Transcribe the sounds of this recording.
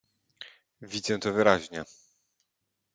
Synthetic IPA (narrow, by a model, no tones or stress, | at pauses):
vʲid̪zɛt̪ɔvɘɾaʑɲɛ